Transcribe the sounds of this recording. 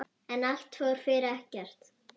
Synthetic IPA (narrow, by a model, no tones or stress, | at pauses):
ɛnal̥t̪fœːɣɾ̥fɪːɾɪɛhcɛr̥t̪